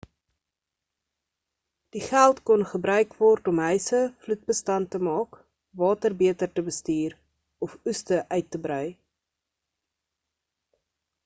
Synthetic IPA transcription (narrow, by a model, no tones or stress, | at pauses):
d̥iχælˠtkɔnχəbɾœɥkvɔrtɔmɦœɥsəflut̚bəstɐntəmɑːk | vɑːtərbiətərtəbəstiːr | ɔfustəʔœɥtːəbrœɥ